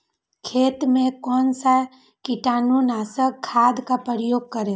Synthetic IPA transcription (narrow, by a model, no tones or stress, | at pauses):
kʰeːt̪mẽkɔːnsa | kiʈaːnunaːsəkkʰːaːd̪kapɾəɾjoːɡ̚kəɾẽ